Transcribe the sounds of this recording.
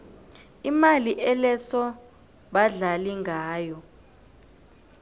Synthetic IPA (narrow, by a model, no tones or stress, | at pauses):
imaliʔɛlɛsɔ | ɓaɮaliŋʱaːjɔ